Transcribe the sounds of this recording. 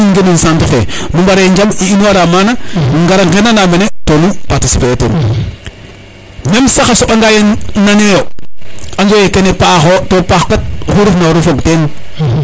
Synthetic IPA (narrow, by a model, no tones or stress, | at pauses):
iŋɡenunsantufḛmumbaɾeɲd͡ʒamiinuwaɾamananŋɡaɾaŋɡenanambenetonupatisifejtḛn | nemsaxasoɓaŋɡajenanejo | and͡ʒojekenepaxotopaxkat̚huɾifnaɾufoɡten